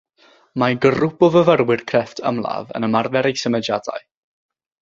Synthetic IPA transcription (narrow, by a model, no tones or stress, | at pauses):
maɡərʊbɔvəvəɾwɪrkʰrɛftʰə̰mlˠa̰və̰nəmarvɛɾejsəməd͡ʒada̰j